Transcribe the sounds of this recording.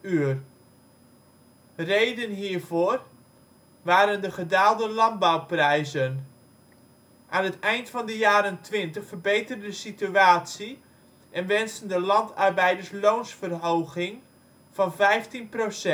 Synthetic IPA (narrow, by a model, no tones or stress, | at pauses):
yər | rejdənɦiːɹvʊːr | ʋaːɾəndəχədaːlˠdəlɑnbawprɛjzən | ʔaːnɦətɛjntfɑndəjaːɾəntʋɪntəχfərbejtərdədəsityaːtsi | ʔɛnʋɛnstəndəlɑntʰɑrbɛjdəɹslownsfərɦowɣɪŋ | v̥ɑnvɛjftinprosɛ